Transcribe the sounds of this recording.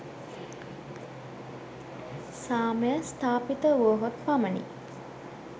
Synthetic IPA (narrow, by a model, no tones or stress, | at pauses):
saːməjəst̪aːpit̪əuəɦot̪pamənḭ